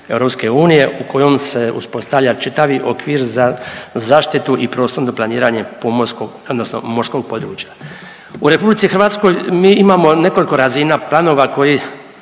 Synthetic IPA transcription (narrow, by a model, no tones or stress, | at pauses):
e̞wɾo̞pske̞uːnije̞ʔuko̞jo̞mse̞ṵspo̞st̪aʋʎʲat͡ʃit̪aʋiʔo̞kʋiːɾzazaːʃt̪it̪uʔipɾo̞ːst̪ond̪oplˠaniːɾaːɲe̞pomoskoɡod̪nosno̞̰mo̞ɾsko̞ɡ̚po̞d̪ɾuːt͡ʃjḁ | uɾe̞publit̪ixr̩ɾʋaːt̪sko̞jmiːimaːmo̞ne̞ko̞liko̞ɾazinaplˠano̞ːʋako̞ji